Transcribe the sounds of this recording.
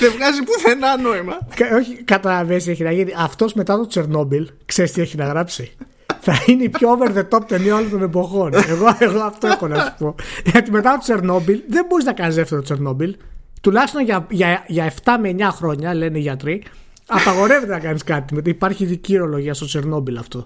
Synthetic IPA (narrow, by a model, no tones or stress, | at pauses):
ðevɣɐzipuθenɐnoimɐko̞çikɐt̪ɐlɐveseçinɐʝit̪iɐft̪o̞zme̞t̪ɐt̪o̞t͡se̞ɾno̞bilkseɾist̪ieçinɐɣɾɐpsi | θɐineipçoveɾðe̞t̪op̚t̪enioolot̪o̞nebo̞xo̞ne̞ɣoeɣoɐft̪oefxonɐnsu̥po̞ʝɐt̪ime̞t̪ɐt̪ot͡se̞ɾno̞bilðe̞mbo̞ɾiznɐkɐnizðeft̪etot͡se̞ɾno̞bilt̪ulɐçist̪o̞nʝɐʝɐʝɐe̞ft̪ɐmeɲɐxɾo̞ɲɐle̞neiʝɐt̪ɾi | ɐpɐɣo̞ɾe̞ve̞t̪enɐkɐniskɐt̪imet̪ipɐɾçiːðicioɾo̞lo̞ʝiɐst̪o̞t͡se̞ɾno̞bilɐft̪o̞